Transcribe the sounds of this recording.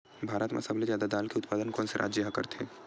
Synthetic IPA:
bʱaːɾət̪mã̰səblezjaːd̪ad̪aːlkeʊt̪̚paːd̪ənkɔːnseɾʔa̰ːd͡ʒjaɦkə̰ɾt̪ʰeː

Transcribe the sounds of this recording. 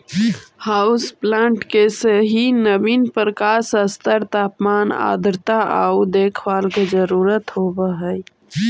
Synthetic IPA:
haːʊsplãːɳʈkeseɦinəbinpɾəkaːsəst̪əɾt̪aːpmaːna̰ːd̪ɾt̪aʔaud̪eːkʰwaːlked͡ʒəɾuːɾət̪ɦobəɦəj

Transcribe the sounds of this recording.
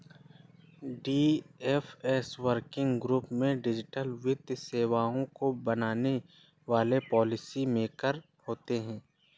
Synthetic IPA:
ɖiːɛːfɛːswəɾkɪ̃ŋɡɡɾuːpmẽɖɪd͡ʒɪʈəlʋɪd̪jseːʋaːõkobɐnaːne | ʋaːlepɔːlɪsimẽːkəɾ | hoːt̪eɦɛ̃ː

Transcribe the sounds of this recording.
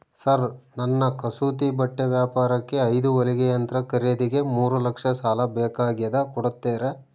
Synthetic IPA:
sɐɾnɐnːɐkɐsuːt̪ibɐʈːeʋjaːpaːɾɐkːe̞ɐjd̪uʋɐliɡejɐnt̪ɾɐkɐɾeːd̪iɡe̞muːɾulɐkʂɐsaːlɐbɛːkaːɡijɐd̪ɐkɔɽut̪ːeːɾe

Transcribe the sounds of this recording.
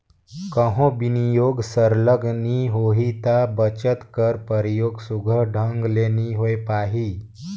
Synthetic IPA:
kəɦõbinijoɡsəɾləɡniɦoɦit̪abət͡ɕət̪kəɾpəɾjoɡsuɡʱəɖʱəŋɡleniɦojpaɦi

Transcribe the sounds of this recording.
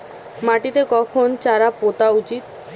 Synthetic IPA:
maʈit̪ekɔkʰont͡ɕaɾapot̪aut͡ɕit̪̚

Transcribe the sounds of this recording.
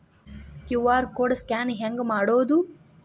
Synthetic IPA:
kjuʋaːɾkoːɽskʲaːnɦeŋɡmaːɽoːd̪u

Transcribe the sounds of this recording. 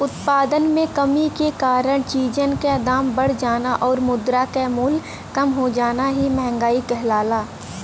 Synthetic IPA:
ʊt̪paːd̪ənmẽkəmikekaːɾəɽ̃t͡ʃiːd͡ʒənked̪aːmbəɽ̤d͡ʒaːnaʔɔːɾmʊd̪ɾakemʊl | kɐmɦod͡ʒaːnaɦimɛɦɛ̃ŋɡaːikɛɦlaːlaː

